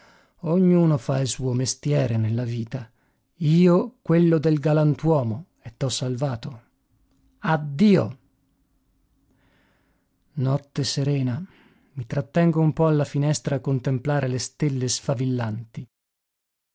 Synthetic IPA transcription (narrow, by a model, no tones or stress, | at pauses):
oɲːuːnofailsuːomest̪jɛːɾenelːaviːt̪a | iːokwelːod̪elɡalant̪wɔːmo | et̪ːɔsːalvaːt̪o | ad̪ːiːo̰ | nɔt̪ːeseɾɛːna | mit̪ɾat̪ːɛŋɡoumpɔalːafinɛst̪ɾaːkːont̪emplaːɾelest̪elːesfavilːant̪i